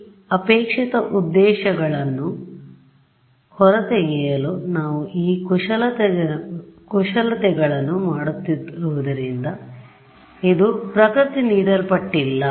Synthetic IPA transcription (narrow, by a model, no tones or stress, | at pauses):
ɐpeːkʂit̪ɐʔud̪ːɛːʃɐɡɐɭɐnːu | hɔɾɐt̪eɡɛːjɐloːnaːʋuʔiːkuʂɐlɐ | kuʃɐlɐt̪ɛɡɐɭɐnːumaːɽut̪ːiɾuʋud̪ɐɾind̪ɐ | id̪upɾɐkɾut̪iniːd̪ɐlpɐʈːilːɐ